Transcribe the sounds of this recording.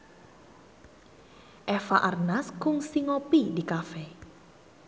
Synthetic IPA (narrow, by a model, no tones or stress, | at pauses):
ʔɛfaʔarnaskʊŋsiŋɔpidikafɛ